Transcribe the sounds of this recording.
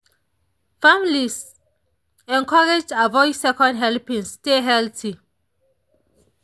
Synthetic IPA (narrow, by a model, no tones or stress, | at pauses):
fãmilis | ɛ̃nkɔɹed͡ʒavɔɪsɛkɔ̃ndɦɛlpĩnsteɦɛltʰi